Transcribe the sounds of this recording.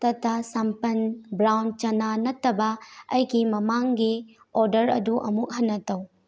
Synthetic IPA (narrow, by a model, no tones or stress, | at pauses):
tɐtːɐsɐmpɐnbɾawn̚t͡ʃɐnanɐtːɐbɐɐjɡimɐmaŋɡi | oɾdɐɾɐ̰duʔɐmuk̚ɦɐnːɐtɐw